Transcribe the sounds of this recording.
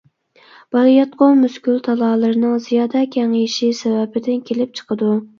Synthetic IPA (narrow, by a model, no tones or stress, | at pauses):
b̥ɑljɑt̪̚qʰomyskʲylt̪ʰɑlˠɑːlˠɨɾnɨŋzijɑːd̪ɛkʲʰæŋijʃisɛvɛbɪd̪ɪnkʲʰelɪp̚t͡ʃʰə̥qʰəd̪u